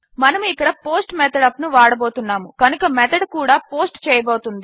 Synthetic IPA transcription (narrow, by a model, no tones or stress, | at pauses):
mɐnɐmuikːɐɽɐpo̞ːsʈmɛt̪ʰɐɽɐpnuʋaːɽɐboːt̪unːaːmukɐnukɐmɛt̪ʰɐɽkuːɽaːpo̞ːsʈt͡ʃɛːjɐboːt̪und̪i